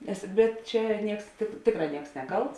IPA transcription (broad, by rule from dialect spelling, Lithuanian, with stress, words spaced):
nʲɛs ˈbʲɛt ˈt͡ʃʲɛ ˈnʲiɛks tʲeːk ˈtʲeːkˌrɑː ˈnʲiɛks ˈnʲæːˌkɐlˠts